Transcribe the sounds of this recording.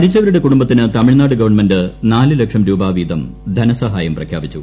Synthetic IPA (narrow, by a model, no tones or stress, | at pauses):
ɐɾit͡ɕːɐʋɐɾuɽe̞kuɽumbɐt̪ːinɨt̪ɐmiɻnaːɽɨɡɐʋɐrɳmendɨnaːlɨlɐkʂɐmɾuːbaːʋiːd̪ʱɐm | d̪ʱɐnɐsɐɦaːjɐmprɐkʰja̰ːbit͡ɕːu